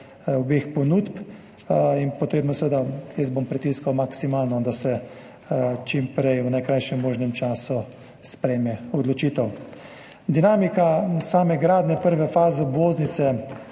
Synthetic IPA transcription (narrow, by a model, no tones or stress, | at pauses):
ɔbexpɔnuːt̪p | inpɔt̪ɾeːbnɔsɛʋed̪ajəzbompɾit̪iːskawmaksimaːlnɔd̪asɛ | t͡ʃimpɾɛjwnajkɾajʃɛmːoːʒnɛmt͡ʃaːsu | spɾɛjmɛɔd̪lɔt͡ʃiːt̪ɛw | d̪inaːmikasaːmɛɡɾaːd̪nɛpəɾʋɛfaːzɛbʋoznit̪sɛ